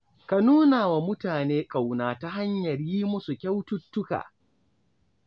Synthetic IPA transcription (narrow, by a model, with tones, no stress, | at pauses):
ka˨nuː˦naː˨wa˨mʊ˦taː˨neː˦kʼa˨wnaː˨ta˦ɦa˦ɲjɐ˨ɾjiː˦mʊ˦su˨kʲɐ˦wtʊ˦tːʊ˦ka̰ː˨